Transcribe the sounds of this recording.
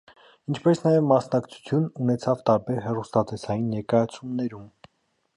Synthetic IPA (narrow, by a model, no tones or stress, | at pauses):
int͡ʃʰpɛsnɑjɛvmɑsnɑkt͡sʰu̥t͡sʰjununɛt͡sʰɑvt̪ɑɾbɛɾɦɛrust̪ɑt̪ɛsɑjinːɛɾkɑjɑt͡sʰumnɛɾum